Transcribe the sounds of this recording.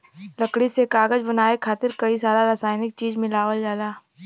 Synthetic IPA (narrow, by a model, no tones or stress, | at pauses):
lɐkɽisekaːɡəd͡ʒbɐnaːekʰaːt̪ɪɾkɐisaːɾaɾaːsaːɪnɪk̚t͡ʃiːd͡ʒmɪlaːwəld͡ʒaːlaː